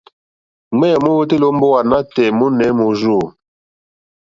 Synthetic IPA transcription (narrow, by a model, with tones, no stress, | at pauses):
ŋ͡mɛ˦ɔ˨mo˦wu˦te˦lo˦m̩˦bo˦wa˨na˦tɛ˨mu˦nɛ˨˦mo˨ʒo˦˨